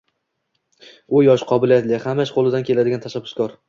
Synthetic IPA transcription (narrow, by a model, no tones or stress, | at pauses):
ʊjɒʃqʰɒbɪlijat̪lɪhamaʃqʰolˠɪd̪ankʲʰe̞lad̪ɪɡʲant̪ʰaʃabːʊ̥skʰɒɾ